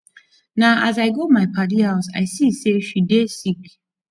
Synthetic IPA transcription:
naʔazajɡomajpʰaɾiaʊsa̰jsiseʃudesik

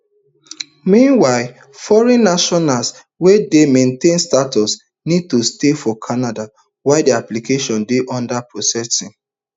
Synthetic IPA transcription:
mĩnwaɪl | fɔɹɛ̃nːaʃɔnals | wɛdemẽntẽnstatɔs | nid̚tustefɔkʰanada | waɪdiaplikeʃɔ̃ndeʔɔ̃ndapʰɹɔsɛsĩŋ

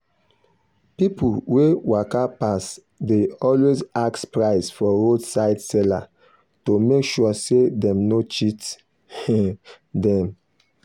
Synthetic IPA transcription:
pipuwewakapas | deɔlwezakspɹaɪsfɔɹodsaɪdsɛla̰ | tomekʃuɔsedɛ̃mnot͡ʃit | dɛ̃m

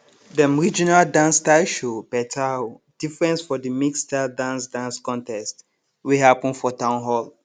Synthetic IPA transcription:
dəmɹid͡ʒinaldãnstaɪʃopɛtʰa | d̥ifɹɛ̃nsfɔdəmikstadãnsdãnskɔ̃ntɛst | wiɦapɔ̃nfɔtãʊ̃nɦɔl

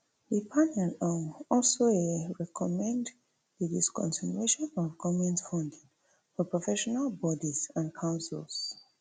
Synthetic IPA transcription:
ðəpʰanɛlɔ̃ŋɔlsoeɹɛkʰɔmɛ̃nd | ðədiskɔ̰̃nsineʃɔ̃nɔvɡɔvɛ̃ntfɔ̃ndĩŋ | fɔpɹɔfɛʃɔnalbɔdisãnkʰãʊ̃nsḭls

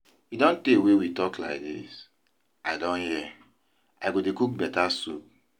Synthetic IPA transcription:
widɔ̃ntewewitɔkla̰ɪk̚dis | aɪdɔ̃nhɛ | aɡodekuk̚bɛtasup

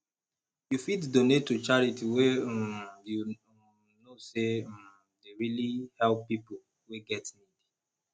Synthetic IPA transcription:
jufitdonetːut͡ʃaɹitiwe | ju | nose | deɹilihɛlpːipo | weɡɛtnidi

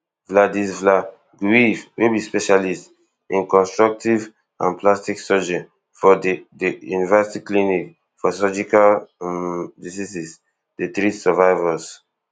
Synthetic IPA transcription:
vladisvla | ɡwivwibispɛʃalist | ĩnkɔ̃nstɹɔk̚tiv | ã̰nplastiksɔd͡ʒɛ̃n | fɔddijṵnivɛsitiklinik | fɔsɔd͡ʒikal | disisis | det̪ɹisɛvaɪvas

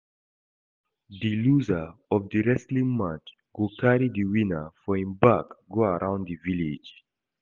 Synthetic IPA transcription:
diluzəɔvdiɹɛslĩŋmãt͡ʃ | ɡokaɹidiwĩnəfɔĩnbakɡoaɹãʊ̃ndivilid͡ʒ

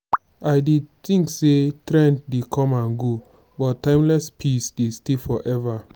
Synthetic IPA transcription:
aɪdit̪ĩŋksetɾɛ̃nddekʰɔ̃mãnɡo | bɔttːãɪ̃mlɛspʰisdestifɔʔɛva

